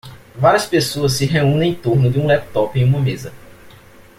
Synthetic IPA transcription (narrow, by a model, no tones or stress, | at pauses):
vaɾiɐspesoɐs̬ːɪɦeũnẽẽj̃t̪oɾnʊd͡ʒɪũlɛp̚t̪ɔpẽj̃ũmɐmezɐ